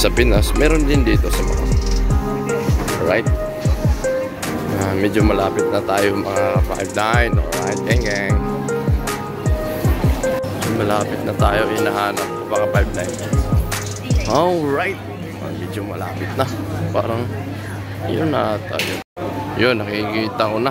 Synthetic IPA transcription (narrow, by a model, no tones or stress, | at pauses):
sɐpɪnasmɛːɾond̪ɪnd̪iːt̪o̞sɐmɐ̰ŋa̰ | oɹajt̪̚ | amɛd͡ʒomɐlaːpɪt̪̚nɐt̪aːjomɐŋaba̰jb̚najno̰ɹajt̪̚ɡɛŋɡɛŋ | d͡ʒomɐlaːpɪt̪̚nɐt̪aːjo̞ʔɪnɐɦaːnɐp̚komɐŋabajb̚najn | oɹajt̪̚ | a̰mɛd͡ʒomɐlaːpɪt̪̚na | pa̰ːɾɐŋ | jonːat̪a̰ːjo | jonːɐkikiːt̪ɐŋona